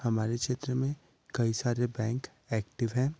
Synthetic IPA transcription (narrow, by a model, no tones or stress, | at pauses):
hɐmaːɾekʃeːt̪ɾəmẽ | kɐisaːɾebɛ̃ːŋk | ɛːkʈɪʋɦɛ̃ː